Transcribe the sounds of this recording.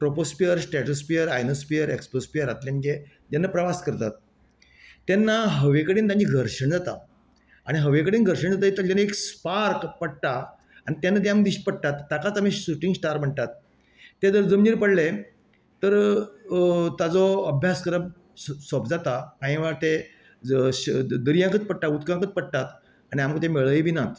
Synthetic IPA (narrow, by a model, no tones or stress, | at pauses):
pɾopospijəɾsʈɛʈəspiəɾajnospijəɾekspospijəɾat̪ljanɡe | d͡ʑ̪anːapɾəʋaskəɾt̪at̪̚ː | enːaɦəʋekəɽiːnt̪ãɲiːɡʱəɾʂəɳd͡zat̪a | aɽ̃iɦəʋekəɽiːnɡʱəɾɕəɳd͡zat̪ait̪əɾt̪anːəekspaɾkpəɽt̪a | aɽ̃it̪janːat̪̬ejaməd̪iɕpəɽ̚t̪at̪ːakat͡sam̤iɕuʈiŋɡsʈaɾm̤əɳʈ̪at̪ː | ed͡zəɾd͡zəmniːɾpəɽle | t̪əɾ | t̪ad͡zɔəbʱjaskəɾəb | sɔpd͡zat̪akãɦĩʋaɾt̪e | d̪əɾjãkət͡spəɽʈ̪aut̪kãŋkət͡spəɽ̚ʈ̪at̪ | aɽ̃iamkət̪emeɭəiːbʱinat̪